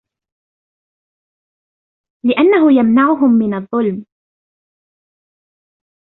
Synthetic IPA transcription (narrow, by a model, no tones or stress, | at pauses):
lɪʔanːaɦʊjamnaʕʊɦʊmːɪnɑðˤːʊlm